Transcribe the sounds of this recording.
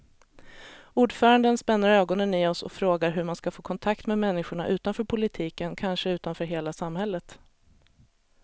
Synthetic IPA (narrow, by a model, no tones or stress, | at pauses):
uːɖfœːɾand̪ənspɛnːaɾøːɡɔnənɪɔsɔ̰fɾoːɡaɾɦɵɾmanskafoːkʰɔnt̪ʰakt̪mɛmɛnːɪɧʊɳa̰ʔʉ̟ːt̪anfœːɾpʰʊlɪt̪ʰiːkənkʰanʂəʉ̟ːt̪anfœːɾɦeːlasamhɛlːət̪